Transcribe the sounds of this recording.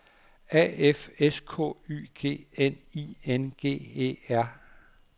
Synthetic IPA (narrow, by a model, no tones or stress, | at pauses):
ɛ̰ːefeskʰɔ̰̽ːy̰ːɡ̥e̝̰ːenienɡ̥e̝̰ːe̝̰ːæɐ̰